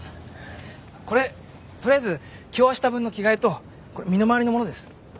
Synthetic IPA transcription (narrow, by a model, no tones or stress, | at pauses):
ko̞ɾe̞ | t̪oɾʲiazɨkʲioaɕi̥t̪abɯ̟̃nːo̞kʲiɡaet̪o̞ | ko̞ɾemʲino̞maβaɾʲino̞mo̞no̞d̪e̞sɨ̥